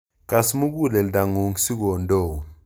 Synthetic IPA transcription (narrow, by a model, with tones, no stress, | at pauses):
ka˨smu˦k̬u˦˨lɛ˨lda˨ŋu˨ŋ˦si˦k̬ɔ˨ndɔː˦˨